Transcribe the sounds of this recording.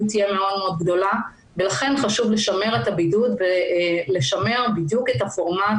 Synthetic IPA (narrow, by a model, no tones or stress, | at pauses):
t̪ijemeo̞dmeo̞d̪̚ɡdo̞la | belaχe̞nχaʃuvle̞ʃame̞ʁetabidutvele̞ʃame̞ʁbidjuke̞tafoʁma